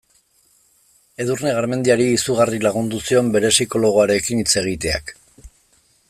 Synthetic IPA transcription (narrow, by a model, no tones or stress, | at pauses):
e̞ðuɾne̞ɣaɾme̞nd̪iaɾiːsuɣ̞arilaɣ̞und̪usio̞mbe̞ɾe̞siko̞lo̞ɣ̞o̞aɾe̞kinit͡se̞ɣ̞it̪e̞a̰k